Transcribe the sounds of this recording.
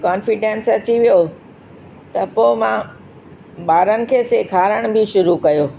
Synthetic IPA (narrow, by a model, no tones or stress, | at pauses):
kaːnfɪɖẽːnsɐt͡ɕiʋijo | t̪ɐpoːmã | ɓaːɾənɪ̆kʰeːsekʰaːɾəɽ̃bʱɪʃʊɾukɐjoː